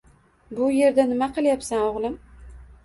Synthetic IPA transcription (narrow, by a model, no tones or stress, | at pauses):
bʊje̞ɾd̪anɪmaqʰɨlˠjapsanoʁlˠɪm